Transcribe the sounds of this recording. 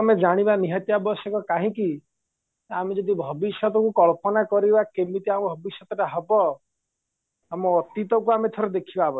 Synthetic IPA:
med͡ʒaɽ̃ibaniɦɔt̪jabɔsɔkɔkaɦĩki | amed͡ʒɔd̪ibʱɔbisjɔt̪ɔkukɔɭpɔnakɔɾibakemit̪iambʱɔbisjɔt̪ɔʈaɦɔbɔ | amɔːt̪it̪ɔkuamet̪ʰɔɾed̪ekʰibabɔ

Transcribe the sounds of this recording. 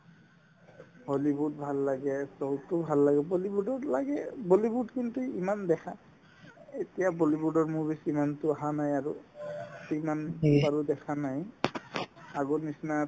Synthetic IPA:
holibudbʱalːaɡɛsotʊbʱalːaɡɛbolibudɔɹlaɡɛbolibudkintuimandɛkʰa | etijabolibudɔɹmuɹbisimantʊaɦanajaɹutimanbaɹudɛkʰanaj | aɡonisna

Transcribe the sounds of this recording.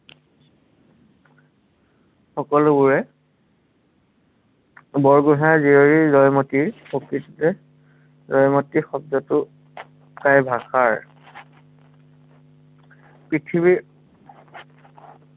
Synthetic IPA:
xɔkɔlʊbuɹɛ | bɔɹɡuɦajzioɹizɔjmɔtiɹpokɹitɔtɛ | zɔjmɔtixɔb̚zɔtʊ | kajbʱaxaɹ | pɹitʰibi

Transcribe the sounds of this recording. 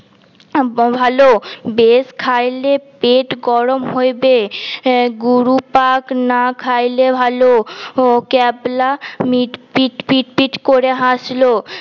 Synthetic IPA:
bʱalobeskʰajlepeʈɡɔɾomɦojbe | ɡuɾupaknakʰajlebʱalo | kɛblamiʈpiʈpiʈpiʈkoɾeɦãʃlo

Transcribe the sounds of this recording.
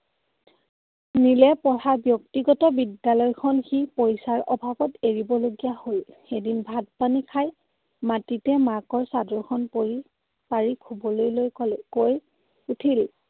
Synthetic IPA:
nilɛpɔɹabjɔktiɡɔtɔbidjalɔjkʰɔnxipojsaɹʔɔbʱabɔteɹibɔloɡijahojxedinbʱad̚panikʰaj | matitɛmakɔɹsadɔɹkʰɔnpoɹi | paɹikʰubɔlojlojkoj | utʰil

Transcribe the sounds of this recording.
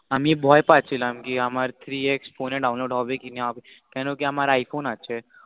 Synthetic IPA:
əmiebʱɔjpat͡ʃʰilamkiamaɾt̪ʰɾieksfonːeɖawnloɖɦɔʋekineaʋe | kɛnõkeamaɾaaːifonat͡ʃʰe

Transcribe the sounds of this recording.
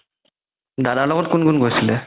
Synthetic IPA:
dadalɔɡɔt̚kunɡunɡojsilɛ

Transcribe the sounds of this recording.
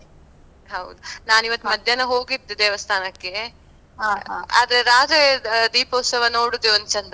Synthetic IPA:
ɦɐwd̪unaːniʋɐt̪ːumɐd̪ʱjɐnɐɦo̞ːɡid̪ːud̪eːʋɐst̪ʰaːnɐkːe | ɦaːa̰ːd̪ɐɾeɾaːd͡ʒɐd̪iːpoːsɐʋɐnoːɽud̪eond̪t͡ʃɐnd̪ɐ

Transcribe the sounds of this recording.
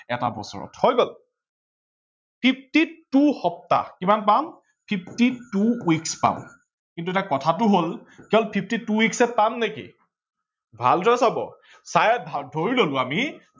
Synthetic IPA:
ɛta̰bɔ̰sɔ̰ɹɔ̰thɔjɡɔl | pʰip̚ʰtituhɔp̚ta̰kimanpam | pʰip̚ʰtituwikspa̰m | kintuɛtakɔtʰatʊɦolkɛɔlpʰip̚ʰtituwiksɛpamnekḭ | bʱa̰ldʰʱɔasabɔ̰ | sajɛbʱadʱoɹilolʊ̃ami

